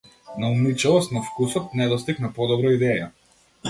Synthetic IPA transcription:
naumit͡ʃɛlˠɔst̪nafkusɔt̪̚nɛd̪ɔst̪iknapɔd̪ɔbɾɔid̪ɛja

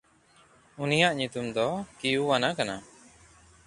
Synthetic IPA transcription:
unijaʔɲut̪umd̪ɔkijuwanakana

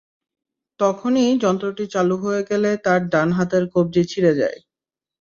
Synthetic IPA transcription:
t̪ɔkʰonid͡ʑɔnt̪ɾoʈit͡ɕaluɦoeɡɛlet̪aɾɖanɦat̪eɾkob̚d͡ʑit͡ɕʰiɾed͡ʑa̰e

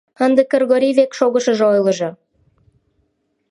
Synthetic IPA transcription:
ənd̪ə̆kːərɣoɾiβekʃoɣə̆ʃə̆ʒojlˠɤ̆ʒɤ̆

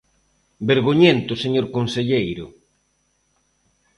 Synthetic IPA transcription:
beɾɣoɲent̪ʊseɲoɾkonseʎejɾʊ

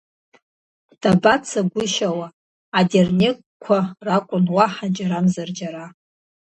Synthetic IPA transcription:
d̥abat͡sʰaɡʷʊʃawaː | dʲernʲekʷʼkʷʰarakʷʼʊnwaħad͡ʒʼaɾamzard͡ʒaɾa

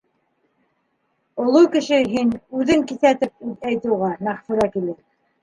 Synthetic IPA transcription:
ŏlˠowkɘ̆ʃɘɦinʉðɘŋkiθæt̪ɘp̚ʉðæjt̪ɘ̆wʁɑmæχfuɾɑkilɘ

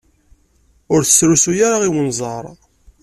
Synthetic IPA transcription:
ʊɾθə̥sɾusujaɾaʁiwənzˤɑ̰ɾˤ

